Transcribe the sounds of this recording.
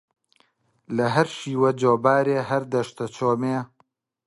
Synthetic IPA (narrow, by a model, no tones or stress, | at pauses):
lɐɦɐɾʃiːwɐd͡ʒoːbaːɾeːɦɐɾd̪ɐʃt̪ɐt͡ʃʰoːmeː